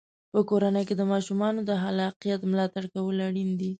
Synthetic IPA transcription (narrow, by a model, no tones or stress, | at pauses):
pəkoɾanəjked̪əmɑʃumɑnod̪əɦalɑqijat̪mlɑt̪aɽkawəlaɽind̪i